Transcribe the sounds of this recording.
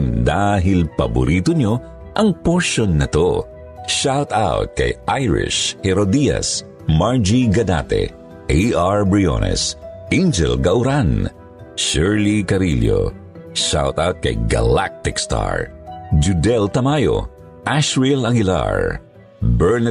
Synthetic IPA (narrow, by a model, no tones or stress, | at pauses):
nd̪aːɦɪlpɐbʊ̰ɾʔiːt̪oɲo̞ | ʔɐŋpoɹʃjonːɐt̪o | ʃawt̪awt̪̚kɐ̰jʔajɹɪ̰ʃhɛɾod̪iɐ̰s | maɹd͡ʒiɡɐd̪a̰t̪ɛ̰ | ʔeʔaɹbɹio̰nɛ̰sʔend͡ʒɛ̰lɡɐʔʊɾan | ʃɛɹlikɐɾiljo̰ | ʃa̰wt̪awt̪̚kɐ̰jɡɐ̰lak̚t̪ɪkst̪a̰ɹd͡ʒud̪ɛlt̪ɐmajo̰ | ʔaʃɹilɐɡɪla̰ɹ | bɛɹn